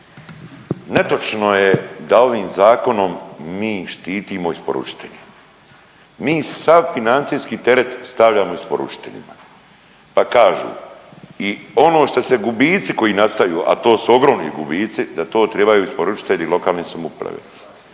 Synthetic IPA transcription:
ne̞t̪o̞t͡ʃno̞jed̪ao̞ʋiːmzaːko̞no̞mːiːʃt̪iːt̪iːmo̞ispo̞̰ɾṵt͡ʃi̥t̪eʎe̥ | miːsaʋfinant̪sijskit̪e̞ɾe̞t̪st̪aʋʎʲaːmoispo̰ɾṵt͡ʃi̥t̪e̞̰ʎḭma | pakaːʒṵːio̞no̞ːʃt̪ose̞ɡubiːt̪siko̞jiːnast̪ajṵːʔa̰t̪o̞ːsuo̞ɡɾo̞mnḭɡubiːt̪sid̪at̪o̞ːt̪ɾebajuːispo̞ɾut͡ʃi̥t̪eʎilˠo̞kaːlˠnisomupɾa̰ʋḛ̥

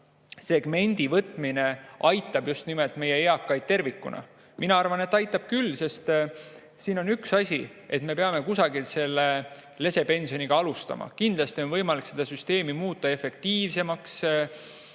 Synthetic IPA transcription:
se̞ɡ̥me̞nʲd̪̥ivɤt̪ˑmine̞ʔɑjt̪ːˑɑb̥just̪nimelt̪me̞jeeɑkːˑɑjt̪̚t̪e̞rvikːˑṵnɑ̰ | mʔinɑɑrvɑne̞t̪ːɑjt̪ːˑɑb̥̚kylːse̞st̪ | siːno̞nyksɑsʲie̞t̪me̞pe̞ɑme̞kusɑɡilse̞lːele̞se̞pe̞nʲsio̞niɡ̥ɑɑlust̪ɑ̰mɑ̰kind̪̥lɑst̪io̞nvɤjmɑlikse̞d̪̥ɑsyst̪e̞ːmimuːt̪ˑːɑe̞fe̞k̚t̪iːvse̞mɑks

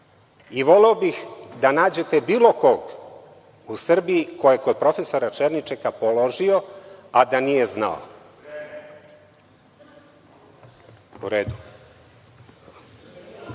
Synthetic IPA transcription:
iʋo̞leobixd̪anaːd͡ʑe̞t̪e̞biːlˠo̞ko̞ɡ | usr̩biiko̞jeko̞d̪̚pɾo̞feso̞ɾat͡ʃeɾnit͡ʃekapolˠoʒio̞ad̪anije̞zna̰o̰ | uɾeːd̪u

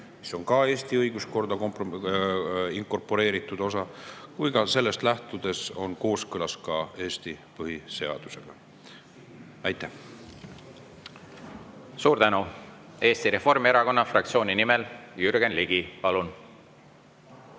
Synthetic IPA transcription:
miso̞ŋkɑe̞ːst̪iɤjɡ̥usko̞rd̪̥ɑkompo | iŋko̞rpo̞ɾe̞ːɾit̪ːˑud̪̥o̞s̬ɑkujɡɑse̞lːe̞st̪læht̪ud̪̥e̞so̞nko̞ːskɯlɑskɑe̞ːst̪ipɤɦise̞ɑ̰d̪̥use̞ɡ̥ɑ | ɑjt̪ːˑæh | suːɾt̪ænue̞ːst̪iɾe̞fo̞rmieɾɑko̞nːɑfrɑk̚t̪sio̞ːninimeljyɾɡ̥enliɡipɑlun

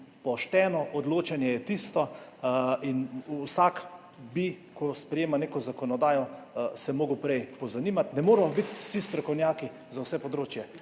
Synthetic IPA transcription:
pɔʃt̪ɛnɔʔɔd̪loːt͡ʃɛnjɛjɛt̪ist̪ɔ | insak | bikɔspɾɛjeːmaneːkɔzakɔnɔd̪aːjɔsɛmoːɡʊwpɾɛjpɔzaniːmat̪nɛmoːɾmɔbit̪sist̪ɾɔkɔwnjaːki | zawsɛpɔd̪ɾoːt͡ʃjɛ

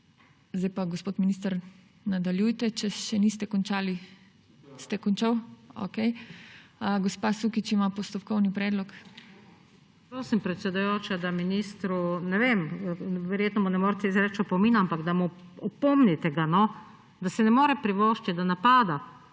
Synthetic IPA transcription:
zd̪ajpaɡospoːt̪minist̪aɾ | nad̪aljujt̪ɛt͡ʃɛʃɛnist̪ɛkɔnt͡ʃaːli | st̪ɛkɔnt͡ʃawo̰kej | ɡɔspasukit͡ʃimapɔst̪ɔpkɔwnipɾɛːd̪lɔk | pɾoːsimpɾɛt̪sɛd̪ujoːt͡ʃad̪aminiːst̪ɾunɛʋemʋɛɾjeːt̪nɔmunɛmoːɾt̪ezɾɛt͡ʃɔpɔmiːnampaɡd̪amu | ɔpɔmnit̪ɛɡanɔ | d̪asɛnɛmoːɾɛpɾiʋɔːʃt͡ʃ̪id̪anapaːd̪a

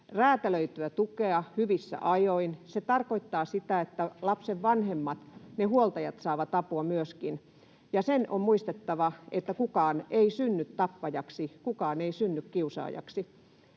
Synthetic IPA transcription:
ræːt̪æløyt̪yæt̪ukeɑhyʋisːæ̰ʔɑjoinset̪ɑrkoit̪ːɑːsit̪æet̪ːælɑpseʋʋɑnhemːɑt̪nehuolt̪ɑjɑt̪sɑːʋɑt̪ɑpuɑmyøskin | jɑseno̰mmuist̪et̪ːɑʋɑet̪ːækukɑːneisynːyt̪t̪ɑpːɑjɑksikukɑːneisynːykkiusɑ̰ːjɑ̰ksi

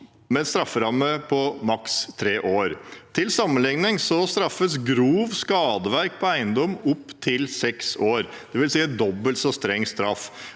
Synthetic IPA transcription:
mɛst̪ɾɑfːəɾɑmːəpʰɔmɑkst̪ʰɾeːʔoːɾt̪ʰɪlsɑmːənlɪŋnɪŋsɔst̪ɾɑfːəsɡɾuːʋskɑːd̪əʋæɾk̚pʰɔæɪənd̪ɔmːʊpːt̪ʰɪlsɛksoːɾ | d̪̥ɛʋɪlsiːəd̪ɔbəlt̪sɔst̪ɾɛŋːst̪ɾɑf

